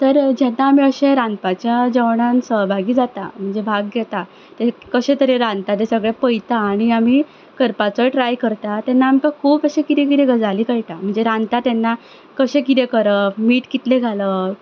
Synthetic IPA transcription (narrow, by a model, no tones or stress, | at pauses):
t̪əɾd͡ʑɛnːaːm̤iəɕeɾãnpat͡ɕjad͡ʑəʋɳãnsəɦbʱaɡiːd͡zat̪a̰m̤əɳd͡zebʱaɡ̚ɡjɛt̪a | t̪ekəɕẽt̪əɾeɾãnt̪ad̪esəɡɭepəjt̪aːɽ̃iam̤i | kəɾpat͡səʈɾajkəɾt̪at̪ɛnːaːmkakʰuːpəɕẽkiɾekiɾeɡəd͡zaliːkəɭʈ̪am̤əɳd͡zeɾãnt̪at̪ɛnːa | kəɕẽkiɾekəɾəmiːʈkit̪leɡʱalə